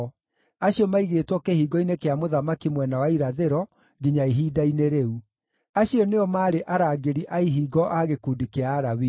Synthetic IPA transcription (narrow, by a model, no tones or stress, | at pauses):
aɕiɔmaiɣeːtwɔkehiːɡɔinekeamoðamakimwɛnawaiɾaðeɾɔ | ɡiɲaiɦiːdaineɾeu | aɕiɔneɔmaːɾeʔaɾaːɡeɾiʔaiɦiːɡɔʔaɣekudikeaːɾawi